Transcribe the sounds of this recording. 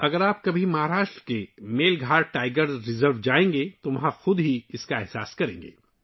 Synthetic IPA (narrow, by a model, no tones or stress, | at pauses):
ɐɡəɾaːp̚kɐbʱimɐɦaːɾaːʃʈɾəkemeːlɡʱaːɾʈaːɪɡəɾzɾɪzəɾʋd͡ʒaːẽːŋɡet̪oʋɐɦãxʊd̪ɦiɪskaɛɦsa̰ːskɐɾḛ̃ːŋɡḛː